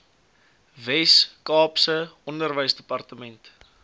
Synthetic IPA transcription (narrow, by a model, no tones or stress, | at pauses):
vɛskɑːpsəʔɔndərvəjsdəpɐrtəmɛnt